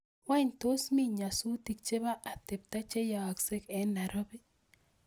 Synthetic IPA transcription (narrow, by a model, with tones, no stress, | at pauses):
wa˦˨ɲto˦smi˦ɲa˨su˦ti˨k̚t͡ʃe˦ba˦ʔa˨tɪ˨p̚ta˦t͡ʃe˦ja˨wa˨kse˦kɛ˨˦nːa˨ɾɔ˦bɪ˦